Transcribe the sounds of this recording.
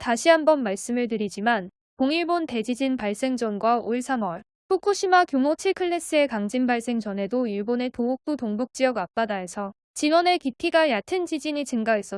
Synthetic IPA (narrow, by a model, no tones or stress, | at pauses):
taɕʰiɦambʌnmaɭs͈ɯmɯɭt̬ɯɾid͡ʑiman | koŋiɭbonte̞d͡ʑid͡ʑinpaɭs͈e̞ŋd͡ʑʌnɡwaoiɭsʰaŋwʌɭ | pʰukʰuɕʰimakjoŋot͡ɕʰiɭkʰɯɭːe̞s͈ɯe̞kaŋd͡ʑimbaɭs͈e̞ŋd͡ʑʌnɦe̞doiɭbone̞touk̚t͈otoŋbuk̚t͡ɕ͈ijʌɡap̚p͈adae̞sʰʌ | t͡ɕinwʌne̞kitʰiɡajatʰɯnd͡ʑid͡ʑiɲit͡ɕɯŋɡaes͈ʌ